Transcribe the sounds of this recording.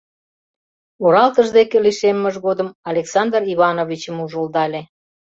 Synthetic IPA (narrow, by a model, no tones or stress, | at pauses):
oɾɑlt̪əʒd̪ekeliʃemːəʒɣod̪əmɑlʲeksɑnd̪riβɑnovʲit͡ɕəmuʒəld̪ɑlʲe